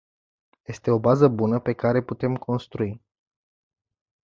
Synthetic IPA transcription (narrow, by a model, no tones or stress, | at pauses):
je̞st̪e̞o̞bazəbunəpe̞kaɾe̞put̪e̞mkʰo̞nst̪ɾui